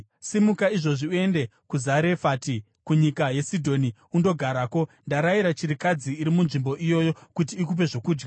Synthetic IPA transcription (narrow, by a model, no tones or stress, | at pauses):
simukaiʐo̞ʐiue̞nde̞kuzaɾe̞faːti | kuɲikaje̞sidʱo̞ni | undo̞ɡʱaɾako̞ndaɾaiɾat͡ʃiɾikad͡ziːɾimunʐimbo̞ʔijo̞jo̞kut̬iːk̬up̬e̞ʐo̞kuːd͡ʒɡa